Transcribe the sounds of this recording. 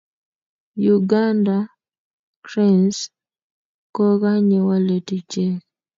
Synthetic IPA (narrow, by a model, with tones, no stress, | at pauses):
ju˨ɡa˦nda˨ | kɾɛ˦ns | kɔ˦ka˦ɲe˨wa˦le˨ti˨t͡ʃe˦